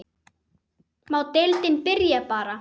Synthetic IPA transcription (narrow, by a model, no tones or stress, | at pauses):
mawt̪elt̪ɪnpɪɾjapaːɾa